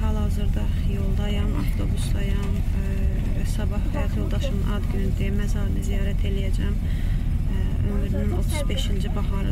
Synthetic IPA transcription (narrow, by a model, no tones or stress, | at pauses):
hɑlˠɑzɯɾd̪ɑjo̞lˠd̪ɑjɑmɑ̰ft̪ʰo̞busd̪ɑjɑm | sɑbɑhhæjɑt̪ʰjo̞lˠd̪ɑʃɯnɯnʔɑd̪ɡynyd̪iæmæzɑɾɯnɯzijɑːɾæt̪ʰe̞lijæd͡ʒæm | ø̞myɾinyno̞t̪ʰuzbe̞ʃind͡ʒibɑhɑɾɯ